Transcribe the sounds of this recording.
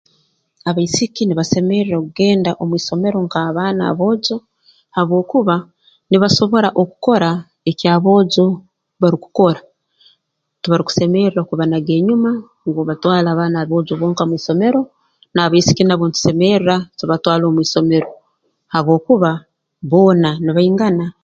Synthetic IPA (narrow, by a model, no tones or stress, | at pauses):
aβaisikiniβase̞me̞ɾiɾakuɡe̞ːndaʔomwiːso̞me̞ɾo̞ŋkaβaːna̰βo̞ːɟo̞ | haβwo̞ːkuβa | niβaʃo̞βo̞ɾaʔoku̥ko̞ɾa | ecjaːβo̞ːɟo̞ | βaɾiku̥ko̞ɾa | tuβaɾiku̥se̞meɾiɾakuβanaɡe̞ːɲuma | ŋɡoβatwaːlaːβaːnaβo̞ːɟoβoːŋkamwiːso̞me̞ɾo̞ | naːβaisi̥kinaβontu̥se̞meɾiɾatuβatwaːlo̞ːmwiːso̞me̞ɾo̞ | haβwo̞ːkuβa | βo̞ːnaniβaiŋɡana